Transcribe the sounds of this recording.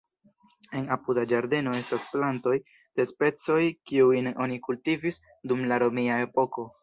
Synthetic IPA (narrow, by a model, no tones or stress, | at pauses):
e̞napudad͡ʒaɾde̞no̞e̞stasplanto̞j | d̥e̞spe̞t͡so̞jkiujno̞nikultivis | dumlaɾo̞miae̞po̞ko̞